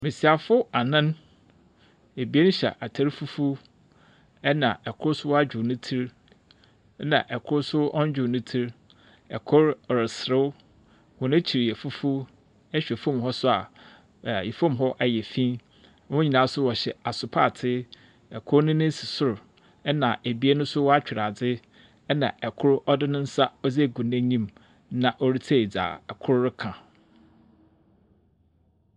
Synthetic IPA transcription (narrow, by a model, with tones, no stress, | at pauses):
mɪ̃˨si˨a˨fʊ˦a˨nã˦n | e˨bi˨˦e˦n˦ɕɛ̰˨ʔa˨tʰa˨ɾfu˦fu˦ | ɛ˦nã˨ɛ˨kʰʊ˦ɾsʊ˦wɔ˦a˦d͡ʑᶣʊ˨nʊ̃˦tʰi˦ɾ | nã̰˨ʔɛ˨kʰʊ˦ɾsʊ˦ɔ̃˦n˦d͡ʑᶣʊ˨nʊ̃˦tʰi˦ɾ | ɛ˨kʰʊ˦ɾɾɪ˨sɾɪ˦w | wʊ̃˨nɪ̃˦t͡ɕʰi˨ɾi˨ɛ˨fu˦fu˦ | ɛ˦ɕᶣɛ˨fõ˦˨mɦɔ˦sʊ˦a̰˨ | jɛ˨fõ˦mɦɔ˦ʔa˨jɛ˨fĩ˦ | wʊ̃˦ɲi˨nã˨˦sʊ˦wɔ˨ɕɛ˨a˨sʊ˨pʰa˦˨tʰɪ˦ | ɛ˨kʰʊ˦ɾnʊ̃˦nʊ̃˦sɪ˨sʊ˦ɾʊ˨ | ɛ˦nã˨ʔæ˨bi˦e˦nʊ̃˦sʊ˦wɔ˦a˦t͡ɕᶣɪ˨ɾa˨d͡zɪ˦ | nã̰˨ʔɛ˨kʰʊ˦ɾɔ˦dɪ˦nʊ̃˦n̩˦sa˦ɔ˦d͡ze˦˨ɡũ˨næ̃˦ɲĩ˦m | nã˨ʔɔ˦ɾi˦tʰe˦˨e˨d͡za̰ː˨ɛ˨kʰʊ˦ɾɾɪ˦kʰã˨